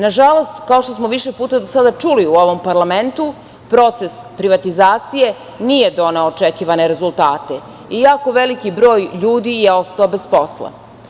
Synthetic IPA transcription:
naʒalo̞st̪kaoʃt̪o̞smoʋiʃepuːt̪ad̪osad̪at͡ʂuliuo̞ʋo̞mpaɾlame̞nt̪u | pɾo̞t̪se̞spɾiʋat̪izaːt̪sije̞ | nije̞d̪o̞ne̞ot͡ʃekiʋaneɾe̞zulˠt̪aːt̪e̞ | ijaːko̞ʋe̞likibɾo̞ːjʎuːd̪ijeo̞st̪aobespo̞slˠa̰

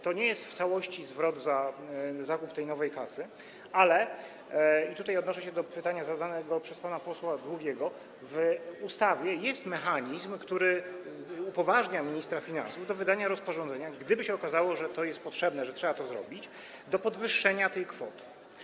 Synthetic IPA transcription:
t̪ɔɲɛjɛst̪ft̪sawɔɕt͡ɕizvɾɔd̪zazakupt̪ɛjnɔvɛjkasɘ | alɛ | it̪ut̪ajɔd̪nɔʂɛɕɛd̪ɔpɘt̪aɲazad̪anɛɡɔpʂɛspanapɔswad̪wuɡʲɛɡɔ | vust̪avʲjɛjɛst̪mɛxaɲizmkt̪uɾɘ | upɔvaʐɲamʲiɲist̪ɾafʲina̰nsuvd̪ɔvɘd̪aɲaɾɔspɔʐɔ̃nd̪zɛɲaɡd̪ɘbɘɕɛɔkazawɔʐɛt̪ɔjɛst̪̚pɔtʂɛbnɛʐɛtʂɛbat̪ɔzɾɔ̰bʲit͡ɕ | d̪ɔpɔd̪vɘʂːɛɲat̪ɛjkfɔ̰t̪ɘ̥

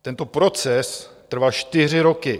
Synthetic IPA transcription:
t̪ɛnt̪o̞pɾo̞t͡sɛs | t̪r̩vaːt͡ʃt̪ɪr̝ɪɾo̞kɪ

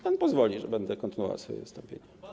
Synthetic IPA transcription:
panpɔzvɔlʲiʐɛbɛnd̪ɛkɔnt̪ɘnuɔv̰a̰sfɔ̰jɛ̰vɨst̪ɔmpʲjḛɲa

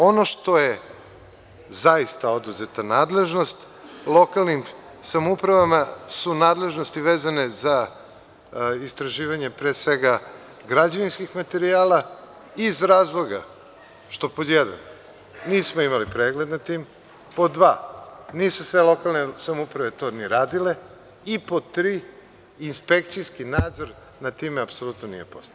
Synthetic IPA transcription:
o̞no̞ʃt̪o̞je | zaist̪ao̞d̪uzet̪anaːd̪le̞ʒno̞st̪ | lˠo̞kalˠnim | samupɾaʋamasunaːd̪le̞ʒno̞st̪iʋeːzaneza | ist̪ɾaʒiːʋaɲepɾeːsʋeɡa | ɡɾad͡ʑaʋinskixmat̪e̞ɾiaːla | izɾaːzlˠo̞ɡa̰ | ʃt̪o̞pod̪jɛd̪a̰n | niːsmoimalipɾeːɡled̪nat̪iːm | pod̪ʋaːniːsusʋe̞lˠo̞kalˠnesamupɾaʋe̞t̪o̞ːniɾaːd̪ile̞ | ipot̪ɾiː | nspe̞k̚t̪sijskinaːd̪zo̞ɾ | nat̪iːmeapsolut̪nonḭjepo̞st̪a

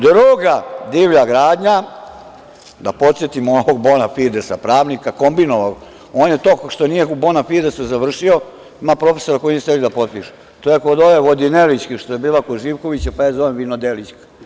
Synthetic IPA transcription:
d̪ɾuɡad̪iːʋʎaɡɾaːd̪ɲa | d̪apo̞t̪sjet̪imooʋoɡ̚bo̞nafid̪esapɾaːʋnikako̞mbinoʋao | oːnjet̪o̞ːkʃt̪onijeubo̞nafid̪esuzaʋr̩ʂio̞ | imapɾo̞fe̞so̞ɾakojiiest̪elid̪apo̞t̪̚piʃu̥ | t̪ojekod̪oʋeʋo̞d̪inelit͡ɕkiʃt̪ojebiːlˠakoʒiʋko̞ʋit͡ɕapajaːzo̞ʋemʋinod̪elit͡ɕkḁ

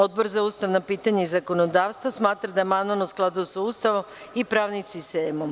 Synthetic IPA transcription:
o̞d̪̚bo̞ɾzauːst̪aʋnapiːt̪aɲeizako̞nod̪aːʋst̪ʋosmaːt̪ɾad̪ajemanaʋnosklˠad̪ujosauːst̪aʋom | ipɾaːʋnimsist̪eːmom

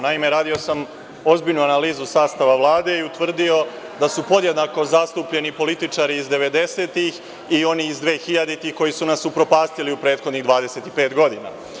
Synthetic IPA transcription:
naime̞ɾaːd̪io̞sam | o̞zbiʎnuanaliːzusaːst̪aʋaʋlˠaːd̪e̞iut̪ʋr̩d̪io̞ | d̪asupo̞d̪je̞d̪nako̞zast̪upʎe̞nipo̞lit̪it͡ʂaɾiːzd̪e̞ʋe̞d̪e̞se̞ːt̪ix | io̞niːzd̪ʋe̞ːxiʎad̪et̪ixko̞jisunasːupɾo̞paːst̪iliupɾeːt̪xod̪niɣd̪ʋaːd̪e̞se̞t̪ipe̞ːt̪ɡo̞d̪ina̰

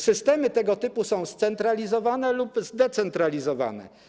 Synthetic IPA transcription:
sɘst̪ɛmɘt̪ɛɡɔt̪ɘpusɔ̃w̃st̪sɛnt̪ɾalʲizɔvanɛlupzd̪ɛt̪sɛnt̪ɾalʲizɔva̰nɛ̰

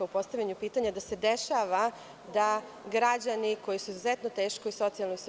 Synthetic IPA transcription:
aupo̞st̪aʋʎʲaɲupiːt̪aɲad̪ase̞d̪eʃaʋa | d̪a | ɡɾad͡ʑaniko̞jisuizuzɛt̪no̞t̪e̞ːʃko̞iso̞t̪ijalˠnois

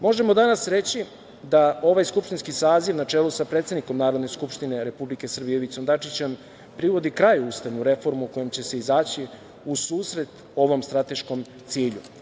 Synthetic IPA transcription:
mo̞ʒe̞mo̞d̪anasɾe̞t͡ɕi | d̪ao̞ʋajskupʃt̪inskisaːziʋnat͡ʂeːlusapɾet̪sed̪niko̞mnaːɾo̞d̪ne̞skupʃt̪ine̞ɾe̞publike̞sr̩bijeʋit̪sond̪at͡ʂit͡ɕem | pɾiʋo̞d̪ikɾajust̪aʋnuɾe̞fo̞ɾmuko̞jemt͡ɕe̞se̞izaːt͡ɕi | usuːsɾe̞t̪ | o̞ʋo̞mst̪ɾat̪e̞ʃko̞m | t̪siːʎṵ

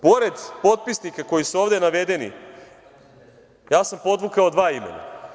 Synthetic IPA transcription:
po̞ɾe̞d̪po̞t̪̚pisnikako̞jisuoːʋd̪e̞naʋe̞d̪e̞nḭ | jaːsampo̞d̪ʋukaod̪ʋaːimḛna̰

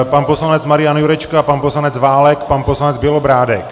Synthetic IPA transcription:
panposlanɛt͡smaɾɪjanjuɾɛt͡ʃkapanposlanɛt͡svaːlɛkpanposlanɛd͡zbjɪlobɾaːdɛk

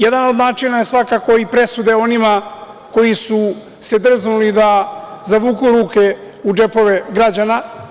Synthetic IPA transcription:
jed̪ano̞d̪naːt͡ʃinaje̞sʋakako̞ipɾesud̪e̞o̞nima | ko̞jisu | se̞d̪r̩znulid̪azaʋuːkuɾuːke̞ | ud͡ʒe̞po̞ʋe̞ɡɾad͡ʑana

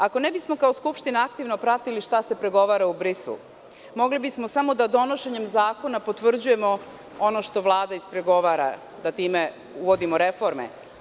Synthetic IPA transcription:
ako̞nebismo̞kaoskupʃt̪inaakt̪iʋno̞pɾat̪iliʃt̪ase̞pɾe̞ɡo̞ʋaːɾaubɾisṵ | mo̞ɡlibismosamo̞d̪ad̪o̞no̞ʃe̞ɲe̞mzaːko̞napo̞t̪ʋr̩d͡ʑuje̞mo̞ | o̞no̞ʃt̪o̞ʋlˠaːd̪aispɾe̞ɡo̞ʋaːɾa̰ | d̪at̪iːme | uʋo̞d̪imo̞ɾe̞fo̞ɾmḛ

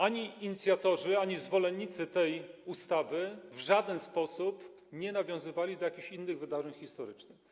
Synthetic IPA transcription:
aɲiiɲit̪sʲjat̪ɔʐɘaɲizvɔlɛɲːit̪sɘt̪ɛjust̪avɘvʐad̪ɛnspɔsup | ɲɛnavʲjɔ̃w̃zɘvalʲid̪ɔjakʲiɕinːɘɣvɘd̪aʐɛɲxʲist̪ɔɾɘt͡ʂnɘx

